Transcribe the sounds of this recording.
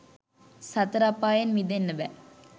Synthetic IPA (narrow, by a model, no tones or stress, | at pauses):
sɐt̪ɐɾapːaːjenʋid̪enːəʋæ